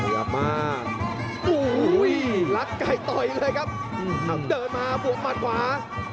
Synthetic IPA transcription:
ja̰˧maː˥˩k̚ | ʔuː˧˩˦jla˦˥kːa˧˩jt̪ɔ˧˩jlɤː˧jkʰa˦˥p̚ | ʔɯː˧˩a˨˦˩dɤː˨˩t̪̚maː˧bu˨˩ək̚maː˨˩t̪̚kʰwaː˨˩˦

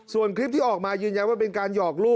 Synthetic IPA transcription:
su˨˩ənkʰɾi˦˥p̚t̪ʰiː˥˩ʔɔː˨˩k̚maː˧jɯː˧nja˧nwaː˥˩pe˧nkaː˧njɔː˨˩k̚luː˥˩

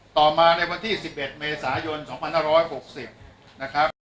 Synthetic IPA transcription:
t̪ɔː˨˩maː˧na˧jwa˧nt̪ʰiː˥˩si˨˩p̚ʔe˨˩t̪̚meː˧saː˩˦jo˧nsɔː˩˦ŋpʰa˧nhaː˥˩ɾɔː˦˥jho˨˩k̚si˨˩p̚ | na˦˥kʰɾa˦˥p̚

